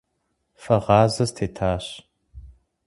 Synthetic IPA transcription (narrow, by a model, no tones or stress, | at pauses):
fɐʁɑːzɐstʰeːtʰaːɕ